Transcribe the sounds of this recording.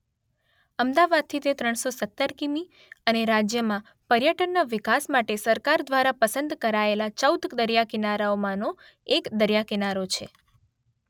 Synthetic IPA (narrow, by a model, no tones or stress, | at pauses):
əmd̪aʋad̪̚t̪ʰit̪et̪ɾəɳ̃sosət̪ːəɾkimi | əneɾad͡ʒjəmã | pəɾjəʈənːaʋɪkasmaʈesəɾkaɾd̪ʋaɾapəsənd̪kəɾaelat͡ʃəwd̪d̪əɾjakɪnaɾaomãno | ekd̪əɾjakinaɾot͡ʃʰḛ